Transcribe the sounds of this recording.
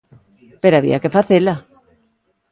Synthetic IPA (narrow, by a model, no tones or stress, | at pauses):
peɾoaβḭakefaθela